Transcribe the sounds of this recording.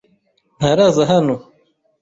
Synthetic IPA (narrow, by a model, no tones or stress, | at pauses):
naɾazaɦanu